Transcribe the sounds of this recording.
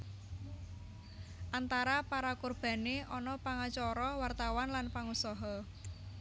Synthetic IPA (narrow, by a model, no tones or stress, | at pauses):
ʔant̪aɾapaɾakurb̥a̤neʔɔnɔpaŋat͡ʃɔɾɔwart̪awanlanpaŋusɔɦɔ